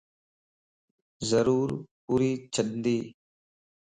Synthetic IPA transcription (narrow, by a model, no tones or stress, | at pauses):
zəɾuːɾpuːɾiːt͡ʃʰəɗnd̪iː